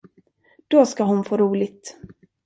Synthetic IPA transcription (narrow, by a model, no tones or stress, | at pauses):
d̪̥ɔskaɦʊnfoːɾuːlɪɡt̪